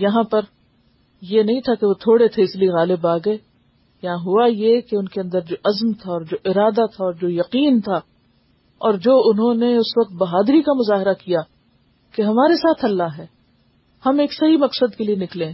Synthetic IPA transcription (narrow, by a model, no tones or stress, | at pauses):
jɐɦãpɐɾ | jenɐɦĩt̪ʰakeʋot̪ʰoːɽet̪ʰeɪslieɣaːlɪbaːɡɐeː | jɐɦãɦuajekeʊnkeɐ̃nd̪əɾd͡ʒoːʔɐzmt̪ʰaɔːɾd͡ʒoːʔɪɾaːd̪at̪ʰaɔːɾd͡ʒoːjɐqiːnt̪ʰa | ɔːɾd͡ʒoːʊnɦõneʊsʋɐk̚t̪̚bɐɦaːd̪ɾikamʊzaːɦɪɾakija | keɦɐmaːɾesaːt̪ʰɐlːaɦɛː | hɐmeːksɐɦimɐqsəd̪kelienɪklẽː